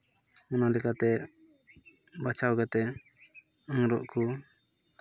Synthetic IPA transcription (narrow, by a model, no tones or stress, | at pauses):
ɔnalɛkat̪ɛ | bat͡ʃʰawɡat̪ɛ | əŋɾɔʔku